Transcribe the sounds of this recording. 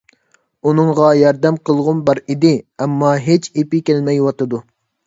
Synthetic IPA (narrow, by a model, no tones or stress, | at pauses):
unɨŋʁɑjɑɾd̪ɛmqəlˠʁʊnbɑɾid̪ɪɛmːɑɦet͡ʃepɪkʲælmɛjwɑt̪ɨd̪u